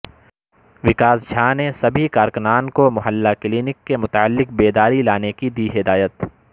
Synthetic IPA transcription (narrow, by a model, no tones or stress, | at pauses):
ʋɪkaːzd͡ʒʱaːnesɐbʱikaːɾkʊnaːnkomʊɦəlːakliːnɪkːemʊt̪aəlːɪk̚beːd̪aːɾilaːnekid̪iɦɪd̪aːjət̪